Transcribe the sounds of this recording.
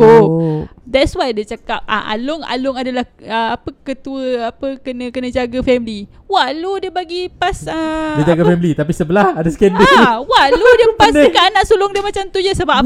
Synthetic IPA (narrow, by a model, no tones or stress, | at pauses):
o | dɛtswajdət͡ʃakap̚a̰ʔa̰lʊŋa̰lʊŋadalahəapəkət̪uəapəkənə̃kənə̃d͡ʒaɡafɛmili | waʔludiəbaɡipasədəd͡ʒaɡafɛmilit̪ap̬isəbəlahadaskɛndɛawaʔludiəpasikaanaʔsulʊŋdiəmat͡ʃamt̪ud͡ʒasəbapa